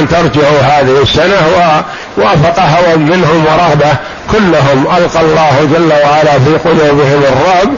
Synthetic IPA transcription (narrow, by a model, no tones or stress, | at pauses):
nt̪ɑɾˤd͡ʒaʕuɦaːðɪhɪsːanawa | waːfɑqɑɦawanmɪnɦʊmwɑɾˤɑhba | kʊlːʊɦʊmʔalqɑlˤːɑːhd͡ʒalːawaʕalafiːqʊluːbɪɦɪmɑrˤːɑb